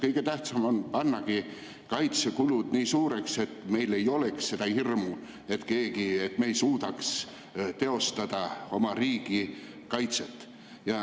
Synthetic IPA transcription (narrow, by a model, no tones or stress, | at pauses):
kɤjɡ̥e̞t̪æht̪sɑmonpɑnːɑɡ̥i | kɑjt̪sekulud̪̥niːsuːɾe̞kse̞t̪ːˑme̞jle̞jo̞le̞ksːe̞d̪ɑhirmu | e̞t̪ke̞ːɡ̥ie̞t̪me̞jsuːd̪ɑks | t̪e̞o̞st̪ɑd̪̥ɑo̞mɑriːɡ̥i | kɑjt̪set̪ːˑ | jɑ